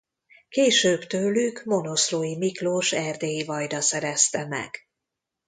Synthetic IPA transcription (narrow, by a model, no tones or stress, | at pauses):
keːʃøːbt̪øːlyɡmo̞no̞sloːjimikloːʃɛrd̪eːjivɒjd̪ɒsɛɾɛst̪ɛmɛ̰ɡ̥